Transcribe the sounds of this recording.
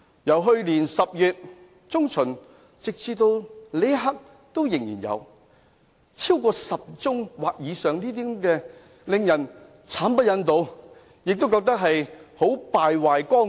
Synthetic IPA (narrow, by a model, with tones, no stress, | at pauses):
jɐ˨˩wɦɵ˧ɥliː˨˩nsɐ˨p̚jyː˨t̚ | t͡sʊ˥ŋt͡sʰɵ˨˩n | t͡sɪ˨k̚t͡siː˧t̪o˧wle˨˥ɦa˥k̚ | t̪o˥wjɪ˨˩ŋjiː˨˩njɐ̰˨˧w | t͡sʰiː˥wkɔː˧sɐ˨p̚t͡sʊ˥ŋwaː˨˩k̚jiː˨˧sœː˨ŋniː˥t̪̬iː˥kɛː˧ | lɪ˨ŋjɐ˨˩n | t͡sʰaː˨˥npɐ˥t̚jɐ˨˧˥nt̪o˨˧w | jɪ˨k̚t̪o˥wkɔː˧k̚t̪ɐ˥k̚ɦɐ˨jho˨˥wpaː˨jwaː˨jkɔː˥